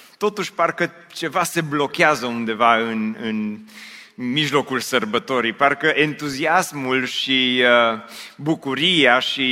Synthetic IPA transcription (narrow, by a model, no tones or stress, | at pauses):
t̪o̞t̪uʃʲparkə | t͡ʃe̞vase̞blo̞keazəund̪e̞vaɨnɨn | miʒlo̞kulsərbət̪o̞ɾijparkəʔe̞nt̪uziasmulʃiəbukuɾijaʃi